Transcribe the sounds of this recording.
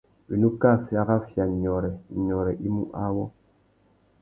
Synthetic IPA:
wi˨nu˦ka˦˨fja˦ɣa˦fja˨ɲɔ˨ɾɛ˨ɲɔ˨ɾɛ˨ʔi˦mṵ˦ʔa˦wɔ˦

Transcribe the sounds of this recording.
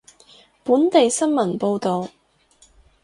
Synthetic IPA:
puː˨˥nt̪e˨jsɐ˥nmɐ˨˩npo˧wt̪o˨w

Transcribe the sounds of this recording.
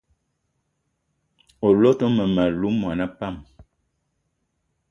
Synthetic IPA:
o˨lo˦tɔ˦mə˨ma˨lu˨˦mwa˨na˦pa˦˨m

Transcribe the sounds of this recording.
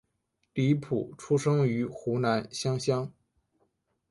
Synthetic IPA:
t̪i˥˧i˥pʰṵ˨˩ʈ͡ʂʰu˥ʂɤ˥ŋy˧˥xu˧˥na˧˥nɕjɑ˥ŋɕjɑ˥ŋ

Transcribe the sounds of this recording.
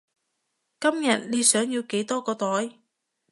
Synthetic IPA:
kɐ˥mjɐ˨t̚liː˧sœː˨˥ŋjiː˧wke˨˥jt̪ɔː˥kɔː˧t̪ɔː˨˥j

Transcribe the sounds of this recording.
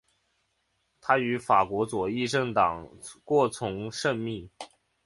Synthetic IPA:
t̪ʰa˥y˧˥fa˨˩kwɔ˧˥t͡swɔ˨˩i˥˧ʈ͡ʂɤ˥˩ŋt̪ɑ˨˩ŋkwɔ˥˩t͡sʰʊ˧˥ŋʂə˥˧nmi˥˩

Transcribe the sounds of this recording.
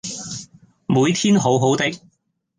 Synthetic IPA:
muː˨˧jt̪ʰiː˥nɦo˨˥wɦo˨˥wt̪ɪ˥k̚

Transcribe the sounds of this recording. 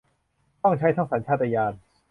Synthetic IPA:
t̪ɔ˥˩ŋt͡ɕʰa˦˥jt̪ʰa˥˩ŋsa˩˦nt͡ɕʰaː˥˩ʔa˧jaː˧n

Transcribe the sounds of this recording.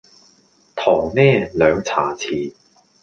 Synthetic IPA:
t̪ʰɔː˨˩ŋnɛː˥˩lœː˨˧ŋt͡sʰaː˨˩t͡sʰiː˨˩

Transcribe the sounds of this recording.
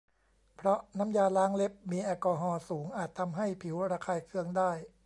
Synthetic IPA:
pʰɾɔ˦˥na˦˥mjaː˧laː˦˥ŋle˦˥p̚miː˧ʔaː˧kɔː˧ɦɔː˧suː˩˦ŋʔaː˨˩t̪ʰːa˧mɦa˥˩jpʰi˩˦wɾaː˧kʰaː˧jkʰɯ˧˥əŋdaː˥˩j

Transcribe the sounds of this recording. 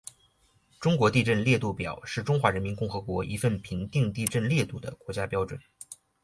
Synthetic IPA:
ʈ͡ʂʊ˥ŋkwɔ˧˥t̪i˥˧ʈ͡ʂə˥˧nljɛ˥˧t̪u˥˩pjɑ˨˩ʊʂɻ̩˥˩ʈ͡ʂʊ˥ŋxwa˧˥ɻə˧˥nmi˧˥nkʊ˥˩ŋxɤ˧˥kwɔ˧˥ʔḭ˧˥fə˥˩npʰi˧˥ŋt̪i˥˧ŋt̪i˥˧ʈ͡ʂə˥˧nljɛ˥˧t̪u˥˩d̪ə̰˩kwɔ˧˥t͡ɕja˥pjɑ˥ʊʈ͡ʂwə̰˨˩˦n

